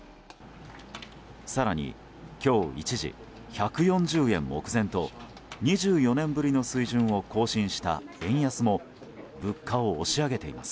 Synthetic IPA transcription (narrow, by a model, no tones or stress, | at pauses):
saɾaɲ̟ḭ | kʲo̞ːḭt͡ɕiʑḭ | çakɯ̟jõ̞ɲd͡ʑɨːẽ̞̰mːo̞̰kɯ̟zẽ̞nt̪o̞ | ɲ̟iʑɨːjo̞nẽ̞mbɯ̟ɾʲino̞sɨiʑɨ̃ɰ̃o̞ko̞ːɕĩɰ̃ɕi̥t̪a̰ẽ̞ɰ̃jasɨmo̞ | bɯ̟kʰːaoːɕiaɡe̞t̪e̞ḭmasɨ̥